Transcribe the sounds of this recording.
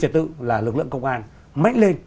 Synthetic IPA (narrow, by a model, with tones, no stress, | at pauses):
t͡ɕə˨˩t̚t̪ɨ̰˧˨laː˨˩lɨ˨˩k̚lɨ̰˧˨əŋkə˧wŋ͡mʔaː˧n | ma̰˧˨jŋ̟le˧n